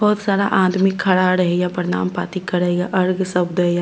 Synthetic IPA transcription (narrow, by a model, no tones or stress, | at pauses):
bɔːt̪saːɾa̰ʔaːd̪mɪkʰːɐɽaɾɐɦeɡjapəɾɪna̰ːmpa̰ːt̪ikːɐɾəɦeɡaʔɐɾɡsɐbd̪ɐɦeja